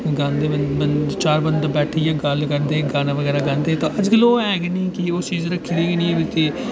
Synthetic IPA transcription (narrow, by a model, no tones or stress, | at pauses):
ɡãːnd̪eːmənbənt͡ʃaːɾbənd̪abɛːʈʰeːjãːɡəlkəɾd̪eːɡaːnaːʋəɡɛːɾaːɡãːnd̪eːt̪õːəd͡ʒkəloːɛːɡnĩːkioːt͡ʃiːzɾəkʰːiːd̪eːɡnĩːẽːbɪt̪eː